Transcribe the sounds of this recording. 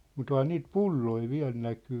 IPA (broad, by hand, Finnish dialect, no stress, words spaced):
mut ohɑn niːt pulːoi ʋiæ̝l nækyː